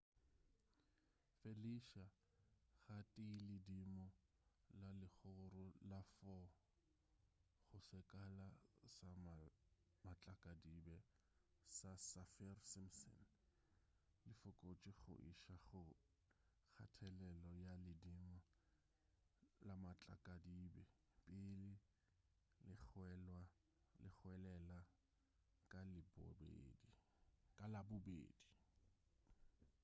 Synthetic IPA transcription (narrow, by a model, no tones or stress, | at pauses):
feliʃa | ɣatʼɪilɪdimɔ | lalɪχʊrʊlafɔ | χʊsɪkʼalasam | mat͡ɬʼakʼadibɛ | sasafirsɪmsɔ̰n | lɪfʊkʼot͡ʃʼɪχʊ̰ʔḭʃaχʊ | k͡xʰa̰tʰɛlɛlɔjalɪdiŋa | lamat͡ɬʼa̰kʼadibɛ | pʼɪlɪ | lɪχɛlwa | lɪχʊɛlɛla | kʼalɪbʊ̰bḛːdi | kʼalabʊbḛːdi